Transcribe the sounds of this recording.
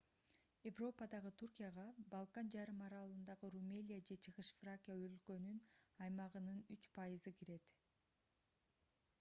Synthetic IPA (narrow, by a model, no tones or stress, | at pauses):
je̞vro̞pɑd̪ɑʁɯt̪ʰurkʲijɑʁɑbɑlˠkand͡ʒɑɾɯmɑɾɑlˠɯnd̪ɑʁɯrumʲelʲijad͡ʒe̞t͡ʃʰɯʁɯʃfrakʲijaølkø̞nynɑjmɑʁɯnɯnyt͡ʃpʰɑjɯzɯkʰiɾe̞t̪